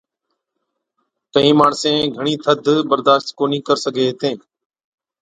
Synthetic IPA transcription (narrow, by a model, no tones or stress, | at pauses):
kəɦĩːmaːɳsẽːɡʱəɳ̃iːt̪ʰəd̪ʱbəɾd̪aːʃt̪koːniːkəɾsəɡʱeːɦeːt̪ẽː